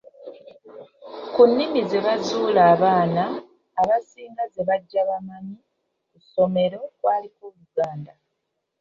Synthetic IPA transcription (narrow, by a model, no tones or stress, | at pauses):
kunːimize̞βazuːlaːβaːnaː | βasiːŋɡaze̞βaɟːaβamami | kuso̞me̞ɾo̞kwaːlikoβuɡaːnda